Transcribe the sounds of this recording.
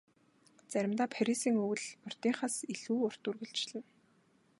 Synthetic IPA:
t͡sæɾʲɪ̆mt̪aːpʰaɾʲisiːŋɵwɘ̆ɮmʊr̥t̪iːŋχasiɮuːʊr̥t̪urɣɵ̆ɮt͡ɕɮɘ̆n

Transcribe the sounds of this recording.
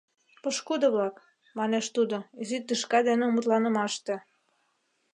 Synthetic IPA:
pɤ̆ʃkud̪ɤ̆βlɑk | mɑneʃt̪ud̪ozit̪ːɯʃkɑd̪enĕumɤt̪lɑnə̆mɑʃt̪ĕ

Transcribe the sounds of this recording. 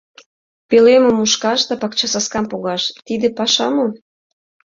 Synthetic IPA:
pelemə̆muʃkɑʃt̪ɑpɑkt͡ɕɑsɑskɑmpuɣɑʃt̪id̪ĕpɑʃɑmo

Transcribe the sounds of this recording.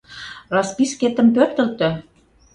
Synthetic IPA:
rɑspisket̪ə̆mpørt̪ə̆lt̪ø̆

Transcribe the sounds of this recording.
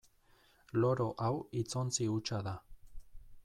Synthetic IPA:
loɾoʔawit͡sont͡siut͡ʃaða

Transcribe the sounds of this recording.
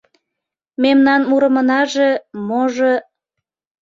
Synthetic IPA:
memnɑnmuɾə̆mə̆nɑʒe̽moʒo

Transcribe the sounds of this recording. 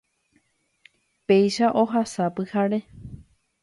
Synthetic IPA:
pe̞jʃaʔo̞ɦasapɨhaɾe̞

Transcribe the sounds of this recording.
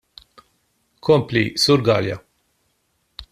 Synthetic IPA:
kʰɔmplisuɾɡɐːljɐ̰

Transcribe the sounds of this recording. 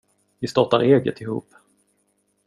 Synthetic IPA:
vɪst̪ɑʈ̪aɾeːɡə̰t̪ɪhṵːp

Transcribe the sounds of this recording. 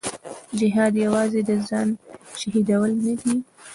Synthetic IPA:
d͡ʒɪɦɑd̪jawɑzed̪əzɑnʃaɦid̪awəlnad̪i

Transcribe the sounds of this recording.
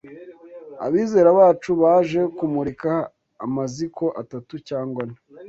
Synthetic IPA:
a̰βiːze̞ːɾaβaːt͡ʃuβaːʒe̞kumuɾikaː | mazikʰo̞ʔatatucaːŋɡwani

